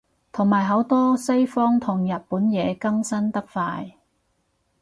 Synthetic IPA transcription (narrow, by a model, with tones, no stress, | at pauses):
t̪ʰʊ˨˩ŋmaː˨˩jɦɐ˨˥wt̪ɔː˥sɐ˥jfɔː˥ŋt̪ʰʊ˨˩ŋjɐ˨t̚puː˨˥njɛː˨˧kɐ˥ŋsɐ˥nt̪ɐ˥k̚faː˧j